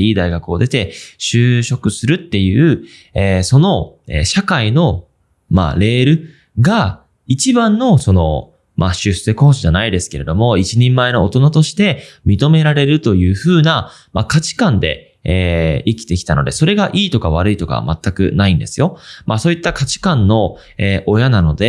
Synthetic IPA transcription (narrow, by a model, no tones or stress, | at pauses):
iːd̪aiɡakɯ̟o̞d̪e̞t̪e̞ɕɨːɕo̞kɯ̟sɨɾɯ̟t̪ːe̞jɯ̟ː | eːso̞no̞ | ḛɕakaino̞ | ma̰ɾe̞ːɾɯ̟ | ɡa | it͡ɕibãnːo̞so̞no̞̰ | mʔaɕɨseko̞ːɕiʑanaid̪e̞sɨ̥ke̞ɾe̞d̪o̞mo̞it͡ɕiɲ̟ẽmːaeno̞ot̪o̞nat̪o̞ɕi̥t̪e̞mʲit̪o̞me̞ɾaɾe̞ɾɯ̟t̪o̞jɯ̟ːɸɯːna | makat͡ɕi̥kãnd̪e̞̰ | eːikʲi̥t̪e̞kʲi̥t̪ano̞d̪e̞so̞ɾe̞ɡaʔiːt̪o̞kaβ̞aɾɯ̟it̪o̞ka̰ma̰t̪ːakɯ̟̰naĩnd̪e̞sɨjo̞mʔaso̞ːit̪ːakat͡ɕi̥kãnːo̞ | eːʔo̞janano̞d̪e̞